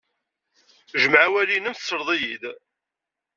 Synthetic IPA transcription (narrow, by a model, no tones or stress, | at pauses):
ʒəmʕawælinəmθsːəɾˤðˤijid̪